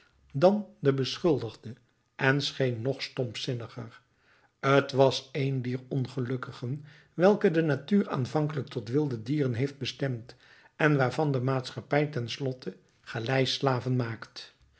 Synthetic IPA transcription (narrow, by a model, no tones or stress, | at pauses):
dɑndəbəsχɵlˠdəχdə | ʔɛnsχejnːɔχstɔmpsɪnəχər | ətʋɑsejndiːɹɔnχəlɵkəχən | ʋɛlˠkədənatyːra̰ːnvɑŋkələk̚tɔtʋɪlˠdədiːrənɦejfd̚bəstɛmt | ɛnʋaːɹvɑndəmaːtsχɑpɛjtɛnslɔtʰə | χəlɛjslaːvənmaːkt